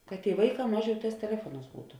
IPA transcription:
kɐt tʲeːɪ ˈʋɐɪˌkɑː ˈmɑːˌʒʲɛʊ ˈtɑːs tʲɛˈlʲæːfuɔˌnɑːs ˈbuːtʊ

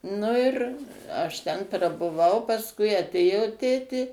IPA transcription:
ˈnʊ ɪr ˈɐʃ ˈtʲɛn prɐbʊˈʋɐʊ pɐsˈkʊɪ ɐˈtʲeːjoː ˈtʲeːtʲeː

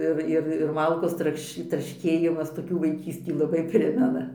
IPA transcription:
ˈɪr ɪr ɪr ˈmɐlˠkoːs ˈtrɐkʃ trɐʃʲˈkʲeːjɪmɐs toːˈkʲuː ʋɐɪˈkʲiːsʲtʲiː lˠɐˈbɐɪ ˈpʲrʲɪmʲɛnɐ

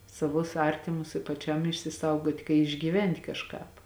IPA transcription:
sɐˈʋʊs ˈɐrʲtʲɪmʊs ɪ pɐˈt͡ʃʲɛm ɪʃʲsʲɪˈsɐʊɡoːtʲ kɐɪ ɪʒʲɡʲiːˈʋʲɛnʲtʲ kɐʃˈkɑːp

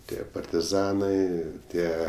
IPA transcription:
ˈtʲiɛ pɐrʲtʲɪˈzɑːnɐɪ ˈtʲiɛ

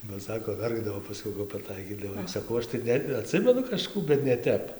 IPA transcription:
bɐ ˈsɑːkoː ˈʋʲɛrɡdɐʋoː pɐˈsʲkʲɛʊ kɐp pɐˈtɐɪkʲiːdɐʋɐɪ ˈsɑːkɐʊ ˈɐʃ tɐɪ ˈnʲɛ ɐˈtʲsʲɪmʲɛnʊ kɐʃˈkuː bʲɛt nʲɛ ˈtʲɛp

